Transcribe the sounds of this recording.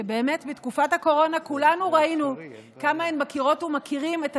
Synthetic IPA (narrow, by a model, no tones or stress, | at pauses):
ebe̞ːme̞tbitkufathako̞ʁo̞nakulanuʁainu | kamaenbakiʁo̞tumakiʁimeta